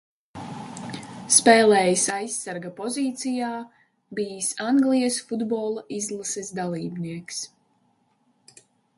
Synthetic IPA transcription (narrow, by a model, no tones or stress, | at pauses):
spɛːlˠɛːjisajsːaɾɡapɔziːt̪sijaː | biːsaŋɡlijɛsfud̪bɔːlˠaizlˠasɛsd̪alˠiːbniɛks